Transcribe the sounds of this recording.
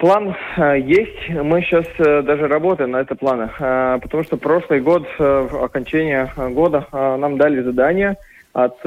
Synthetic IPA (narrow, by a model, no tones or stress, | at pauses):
plˠanjesʲtʲmɨɕːasd̪aʐɨɾɐbo̞t̪əjɪmnɐɛt̪əplˠanəpət̪ɐmuʂt̪opɾo̞ʂlˠɨjɡo̞t̪ɐ̰kɐnʲt͡ɕænʲɪjəɡo̞d̪ənamd̪alʲɪzɐd̪anʲɪjə | ɐt̪